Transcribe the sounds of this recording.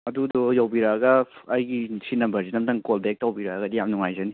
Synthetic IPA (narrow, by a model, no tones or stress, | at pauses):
ɐdudɔjawbiɾaɡɐːjɡisinɐmbɐɾzinɐmtdɐŋkɔlbek̚tawbiɾaɐɡɐdijamnuŋajzani